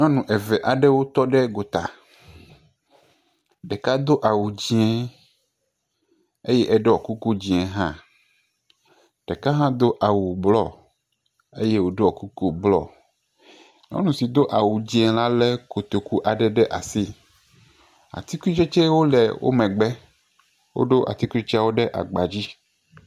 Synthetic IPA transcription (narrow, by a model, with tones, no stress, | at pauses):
ɲɔ̃˦nũ˨ʔɛ˨vɛ˨ʔa˨ɖɛ˦wo˦t̪ɔ˦ɖɛ˦ɡo˨t̪a̰˨ | ɖɛ˨ka˦d̪o˦ʔa˨wu˨d͡ʑi˦ɛ̃˦ | e˦jɛ˦ʔɛ˦ɖɛ˦ɔ˨ku˦ku˦d͡ʑi˨ɛ̃˨ɦã˦ | ɖ̥ɛ˨ka˦ɦã˦d̪o˦ʔa˨wu˨blɔ̰˦˨ | e˦je˦wo˦ɖo˦ɔ˨ku˦ku˦blɔ̰˦ | no̰˦nũ˨si˨d̪o˦ʔa˨wu˨d͡ʑĩ˦ɛ˨la˦lɛ˦ko˨t̪o˨ku˦ʔa˨ɖɛ˨ɖɛ˦ʔa˨si˦ | a̰˨t̪i˦ku˦t͡ʃe˦t͡ʃe˦wo˦lɛ̰˨wʔo̰˦mɛ̃˨ɡ͡bɛ˦ | wo̰˦ɖo˦ʔa̰˨t̪i˦ku˦i˦t͡ʃi˦a˦˨wo˦ɖɛ˦ʔa̰˨ɡ͡ba˨d͡ʑi˦